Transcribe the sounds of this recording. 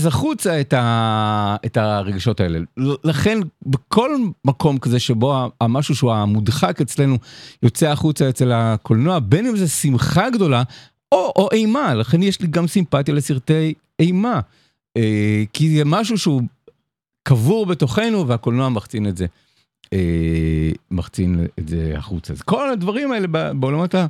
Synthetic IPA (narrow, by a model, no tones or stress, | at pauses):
zaχut͡saeta | etaʁeɡaʃo̞tae̞̰lḛlaχe̞nbekʰo̞lmakʰo̞mkaze̞ʃebo̞aamaʃuʃeuamudχaket͡sle̞nujo̞t͡seaχut͡saet͡se̞lakʰolnoabenimzesimχaɡd̪o̞la | oʔoʔe̞jmalaχe̞njeʃliɡamsimpatjale̞siʁt̪ej | ejma | ekizemaʃ̬uʃeu | kavuʁbe̞to̞χe̞nuveakolnoamaʁt͡sinetze | e | maʁt͡sinḛzḛa̰χut͡sa̰zeko̞ladvaʁimaelebabeolamata